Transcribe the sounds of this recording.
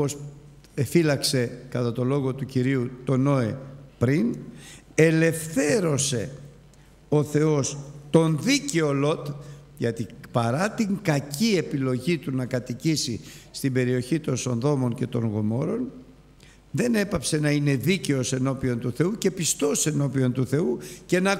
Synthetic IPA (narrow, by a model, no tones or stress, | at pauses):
os | efilɐkse̞kɐt̪ɐt̪o̞lo̞ɣo̞t̪uciɾiut̪o̞no̞e̞pɾin | e̞le̞fθe̞ɾo̞se̞ | o̞θe̞o̞st̪o̞nðiceo̞lo̞t̪ | ʝɐt̪ipɐɾɐt̪iŋkɐcie̞pilo̞ʝit̪unɐkɐt̪icisist̪imbe̞ɾio̞çit̪o̞nso̞nðo̞mo̞ɲce̞t̪o̞ŋɣo̞mo̞ɾo̞n | ðe̞ne̞pɐpse̞nɐine̞ðice̞o̞se̞no̞pio̞nt̪uθe̞uce̞pist̪o̞se̞no̞pio̞nt̪uθe̞uce̞nɐ